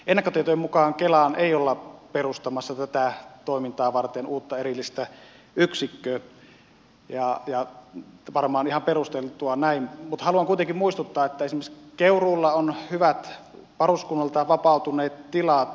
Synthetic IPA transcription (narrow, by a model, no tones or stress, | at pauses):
enːækːøt̪iet̪ojemukɑːŋkelɑneˑijolːɑperust̪ɑmɑsːɑt̪æt̪æt̪oˑimint̪ɑːʋɑrt̪enuːt̪ːɑerilːist̪æ | yksikːøː | jɑjɑ | ʋɑrmɑːnihɑmperust̪elt̪uɑnæinmut̪hɑluɑŋkuit̪eŋkimmuist̪ut̪ːɑːet̪ːæesimeskeuruːlːɑonhyʋæt̪ | pɑruskunːɑlt̪ɑʋɑpɑˑut̪uneːt̪t̪ilɑt̪